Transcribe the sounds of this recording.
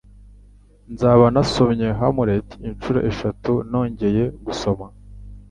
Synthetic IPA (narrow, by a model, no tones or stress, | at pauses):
nzaβanaso̞mɲe̞ɦamuɾetint͡ʃuɾo̰ʔeʃatuno̞ːɲɟe̞je̞ɡuso̞ma